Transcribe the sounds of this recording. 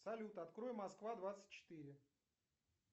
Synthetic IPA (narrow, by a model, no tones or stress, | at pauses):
sɐlʲut̪əɐt̪kɾo̞jɪmɐskvad̪vat̪sə̥t̚ʲt͡ɕːɪ̥t̪ɨɾʲɪ